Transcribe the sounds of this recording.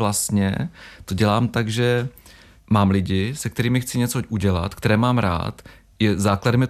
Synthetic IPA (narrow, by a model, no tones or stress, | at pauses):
last̪ɲɛ̰t̪oɟɛlaːmt̪aɡʒɛ | maːmlɪɟɪsɛkt̪ɛɾiːmɪxt͡sɪɲɛt͡soʔuɟɛla̰t̪k̚t̪ɛɾɛːmaːmɾa̰ːt̪ | jɛzaːkladɛmjɛ